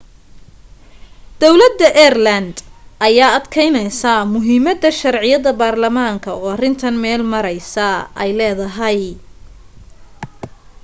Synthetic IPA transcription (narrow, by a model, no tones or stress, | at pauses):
d̪̥ɔwlɐd̪ːɐʔɛːrlɐnd̪ʔɐjaːɐd̪kʰɛjnɛjsɐmʊɦiːmɐd̪ɐʃɐrʕɪjɐðɐbaːrlɐmaːŋkʰɐɔːɐrɪnt̪ʰɐnmɛːlmɐɾɛjsɐɛjlɛːðɐɦɐj